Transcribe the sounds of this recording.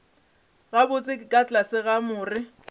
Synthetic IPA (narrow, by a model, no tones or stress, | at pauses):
ɣabʊt͡sʼɪkʼɪkʼat͡ɬʼasɪɣamʊːrɪ